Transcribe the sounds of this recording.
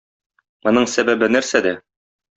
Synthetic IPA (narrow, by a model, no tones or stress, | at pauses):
mŏnɤɴsæbæbɘnæɾsæd̪æ